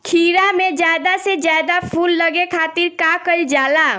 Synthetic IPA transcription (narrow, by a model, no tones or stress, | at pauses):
kʰiːɾamẽd͡ʒjaːd̪ased͡ʒjaːd̪apʰuːlːəɡekʰaːt̪ɪɾkakəɾd͡ʒaːla